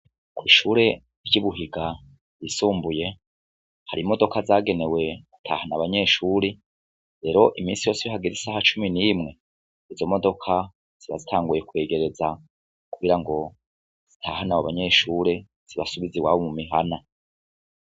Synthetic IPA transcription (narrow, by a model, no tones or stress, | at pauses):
kwiːʃuːɾe̞ | ɾɟuβuɦiɡa | jisuːmbuje̞ | haɾimo̞do̞kazaːɡe̞ne̞we̞ɡ̥u̥tʰa̰ːhanaβaɲe̞ːʃuːɾe | ɾe̞ːɾo̞ʔimiːnsijo̞siβiɦaɡeɾisahat͡ʃuminiːmŋe̞ | izo̞mo̞do̞kʰa | z̥iβa̰zitʰaːŋɡuje̞kwe̞ːɡe̞ɾe̞za | kuɡiɾaŋɡo̞ | z̥itʰaːhanawaβaɲe̞ːʃuːɾe̞ | z̥iβasuβiziwa̰βomumiɦana